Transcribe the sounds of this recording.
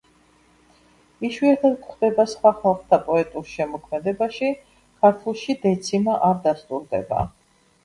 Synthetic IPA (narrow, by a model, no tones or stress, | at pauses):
iʃwiɛt̪ʰad̪̚kχd̪ɛbasχwaχalˠχt̪ʰapʼɔɛt̪ʼuɾʃɛmɔkʰmɛd̪ɛbaʃi | kʰaɾt̪ʰulˠʃid̪ɛt̪sʰimaʔaɾd̪ast̪ʼuɾd̪ɛ̰ba̰